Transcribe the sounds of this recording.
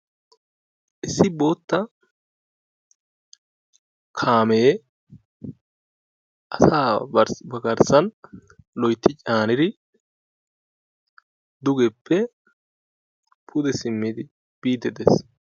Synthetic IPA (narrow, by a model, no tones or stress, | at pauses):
ʔɪsːɪbo̞ːt̪ːɐ | kʰaːme̞ː | ʔɐsaːɾbɐɡɐɾsɐnlɔjt̪ːɪt͡ʃʼaːnɪɾɪ | d̪ʊɡɛpːɛ | pʰʊd̪ɛsɪmːɪd̪ɪ | b̥iːd̪ɛd̪es